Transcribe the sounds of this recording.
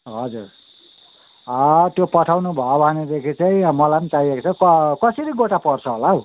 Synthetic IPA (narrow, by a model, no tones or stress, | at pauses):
ɦʌd͡zur | ʌt̪jopʌʈʰawnubʱʌobʱʌned̪ekʰit͡saĩmʌlanit͡saiekt͡sʰʌkʌkʌsʌɾiɡoʈapʌrt͡sʰʌɦolao